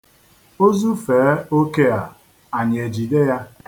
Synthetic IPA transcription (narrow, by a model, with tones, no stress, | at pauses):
o˦zu˦feː˨˦o˦ke˦a˨ | a˨ɲ˨e˨d͡ʒi˨de˦ja˦